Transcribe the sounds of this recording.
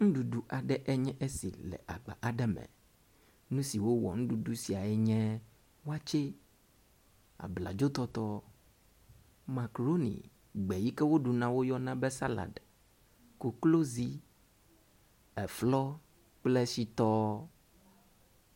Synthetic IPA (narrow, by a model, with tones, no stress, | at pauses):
ŋ̩̃˦ɖu˨ɖu˦ʔa˨ɖɛ˦ʔɛ˦ɲɛ̃˦ʔe˦sḭ˨lɛ̰˨ʔa˨ɡ͡ba̰˨ʔa˨ɖɛ˦mɛ̰̃˨ | nũ˦si˨wo˦wɔ̰˨ŋ̩̃˦ɖu˨ɖu˦si˨a˨ɛ˦ɲɛ̃˦ | wo˦a˦t͡ʃe˦ | a̰˨bla̰˨d͡ʒo˦t̪ɔ˦t̪ɔ˦ | ma˨kɾo˦nḭ̃˨ | ɡ͡bɛ˨ji˦kɛ˦wo˦ɖu˨nã˦wo˦jɔ˦nã˦bɛ˦sa˦la̰˨ɖ | ko˨klo˦zi˦ | ɛ˨flɔ˦ | k͡plɛ˦si˦t̪ɔ˦